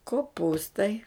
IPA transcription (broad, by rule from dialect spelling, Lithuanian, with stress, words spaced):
koːˈpuːstɐɪ